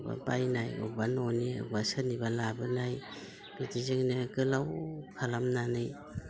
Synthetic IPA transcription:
ba̰pajnajṵbanɔniɯ̰basanibalabɯnaj | b̥itizɯŋnɯɡɯlawkʰalamnanɯj

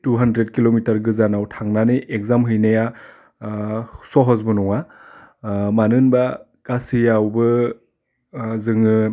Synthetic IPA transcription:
tuɦandɾet̚kilomitaɾɡɯzanawtʰaŋnanɯʔekzamɦɯjnaja | sɔɦɔzbɯnɔŋa | manɯnba | kasijawbɯ | zɯŋɯ

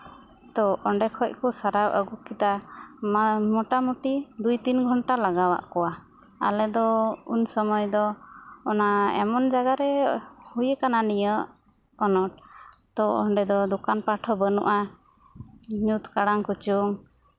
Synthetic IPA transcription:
t̪ɔʔɔɳɖɛkʰɔc̚kɔsaɾabʔəɡukit̪a | mɔʈamuʈid̪ujt̪inɡʱɔɳʈalaɡawa̰ʔkɔwa | a̰lɛd̪ɔṵnsɔmɔjd̪ɔːnaɛ̰mɔnd͡ʒaɡaɾɛhujəkananijə | ɔnɔʈ̚ | t̪ɔɔɳɖɛd̪ɔd̪ɔkanpaʈʰɔbənṵʔa | ɲut̪kaɽaŋkut͡ʃuŋ

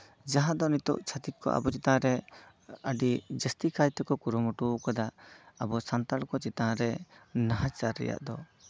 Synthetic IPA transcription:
d͡ʒaɦãd̪ɔnit̪ɔ̰ʔt͡ʃʰat̪it̪̚kːɔ̰ʔa̰bɔt͡ʃit̪ãɾɛ | əɖid͡ʒəst̪ikajt̪ɛkɔkuɾɔmɔʈukad̪aʔabɔsant̪alkɔt͡ʃit̪ãɾɛnaɦat͡ʃaɾːɛ̰ja̰ʔd̪ɔ

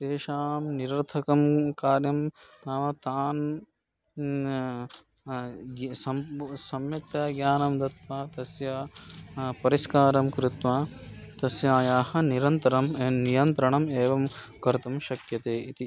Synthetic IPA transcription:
d̪eːʃaːmniɾɐɾt̪ʰɐkɐmkaːɾjɐmnaːʋɐt̪aːn | ɡsɐmsɐmjɐt̪jɐːɡjaːnɐmd̪ɐt̪ʋaːt̪ɐsjɐ | pɐɾiskaːɾɐmkɾɪt̪ʋaːt̪ɐsjaːjaːɦɐniɾɐnt̪ɐɾɐmnijɐnt̪ɾɐɳɐmeːʋɐm | kɐɾt̪ɐmʃɐkjɐt̪eːit̪i

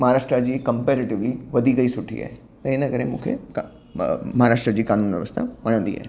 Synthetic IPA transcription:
mɐɦaɾaːʃʈɾad͡ʑiːkɐmpeːɾɪʈɪʋliʋɐd̪ʱiɡɐisʊʈʰḭa̰ːɦe | t̪ɐenəkəɾemṵ̃kʰḛk | mɐɦaɾaːʃʈɾəd͡ʑiːkaːnuːnʋjəʋəst̪ʰa̰ʋɐɽ̃ə̃nd̪ḭa̰ːɦe

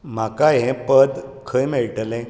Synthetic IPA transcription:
m̤akaɦẽpəd̪ | kʰəjmeɭʈlɛ̃

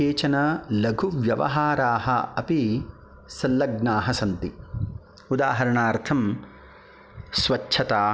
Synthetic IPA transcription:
eːt͡ʃɐnɐlɐɡʱuʋjɐʋɐ̰ɦaːɾaːɦɐɐpi | sɐlːɐɡnaːɦɐsɐnt̪i | ud̪aːɦɐɾɐɳaːɾt̪ʰɐm | sʋɐt͡ʃːʃʰɐt̪aː

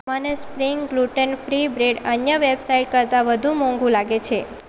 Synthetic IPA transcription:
manespɾiŋɡɡluʈənfɾibɾeɖənjəʋebsaiʈ̚kəɾt̪aʋəd̪ʱũmɔ̃ŋɡũlaɡet͡ʃʰe

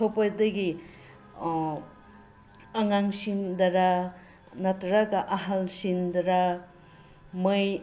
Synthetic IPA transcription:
tʰopajdɐɡi | aŋaŋsindaɾa | natɾaɡaʔaɦalsindɐɾa | mɯj

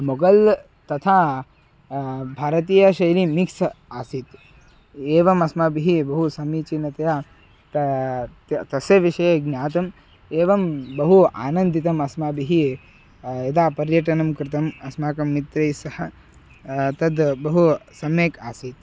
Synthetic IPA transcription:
moɡɐl | t̪ɐt̪ʰaː | bʱaːɾɐt̪̬iːjɐʃɐjlimiksaːsit̪ | eːʋɐmɐsmaːbiɦibɐɦusɐmiːt͡ʃinɐt̪ɐjaː | t̪ɐt̪t̪ɐseʋiʃɐjeɡnjaːt̪ɐm | eːʋɐmbɐɦua̰ːnɐ̃nd̪ʱit̪ɐmɐsmaːbiɦi | ed̪aːpɐɾjɐʈɐnɐmkɾɪt̪ɐmɐsmaːkɐmːit̪ɾɐjsɐhɐ | t̪ɐd̪bɐɦusɐmeːkaːsit̪

